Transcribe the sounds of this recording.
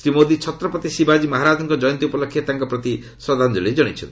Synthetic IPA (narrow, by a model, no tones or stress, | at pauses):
sɾimod̪it͡ʃʰɔt̪ɾɔpɔt̪isibad͡ʒimaɦaɾad͡ʒɔŋkɔd͡ʒɔjɔnt̪iupɔlɔkʰːjet̪aŋkɔpɾɔt̪i | sɾɔd̪ʱand͡ʒɔled͡ʒɔɽ̃it͡ʃʰɔnt̪i